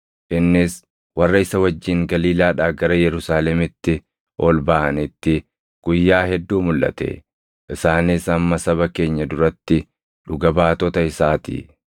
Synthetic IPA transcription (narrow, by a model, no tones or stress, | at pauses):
ʔɪnːɪs | wɐrːɐɪsɐwɐd͡ʒːɪŋɡɐliːlaːᶑaːɡɐɾɐjɛɾʊsaːlɛmɪt̪ːɪ | ɔːlbaʔɐnɪt̪ːɪ | ɡ̥ʊjːaːhɛd̪ːuːmʊlʔɐ̰t̪ɛ̰ | ʔɪsaːnɪsɐmːɐsɐβɐke̞ːɲːɐd̪ʊɾɐt̪ːɪ | ᶑʊɡɐbaːt̪ɔt̪ɐɪsaːt̪ḭː